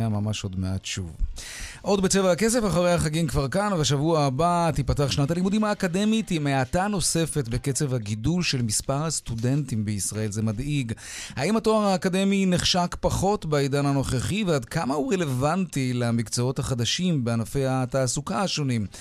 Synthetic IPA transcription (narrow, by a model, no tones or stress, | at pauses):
amamaʃo̞dmeadʃṵv | ʔo̞dbet͡sevaakesefaχaʁejhaχaɡimkvaʁkanvaʃavuaabat̪ipataaχʃnat̪alimudimaːkade̞mitimeatano̞se̞fe̞tbeket͡sevhaɡidulʃe̞lmispaʁhastude̞ntimbeisʁae̞lzemadiɡ | haimhatoaʁaːkade̞mineχʃakpaχo̞tbeid̪anano̞χeχiveadkamahuʁele̞vantilamikt͡soo̞thaχad̪aʃimbeanafejataːsukaaʃo̞nim